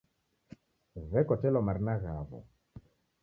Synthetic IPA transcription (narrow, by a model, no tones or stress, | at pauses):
vɛkɔtɛlɔmaɾnaɣavɔ̰